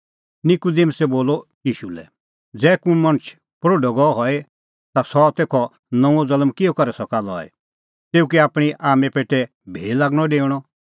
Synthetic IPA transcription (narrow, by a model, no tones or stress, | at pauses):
nɪkʊd̪emsɛboːlɔjiːʃulɛ̰ | d͡zɛːkũmɐ̃ñət͡ʃʰ | pɾoːɖɔɡɔɔɦɔɛ | t̪asɔt̪eːkʰɔ | nɔ̃ũɔ̃d͡zɐlmkɪɔkɐɾɛsɔkaːlɔ̰ɛ̰ | t̪eːuk̬iaːpɽ̃iʔaːmɛpeːʈɛ | bʱḛːilaːɡɽ̃ɔ̃ɖeːʊɽ̃ɔ